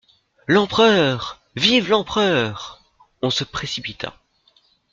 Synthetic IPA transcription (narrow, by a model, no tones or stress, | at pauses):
lɑ̃pχœːʁ | vivlɑ̃pχœːʁ | ɔ̃səpχesipit̪ʰa̰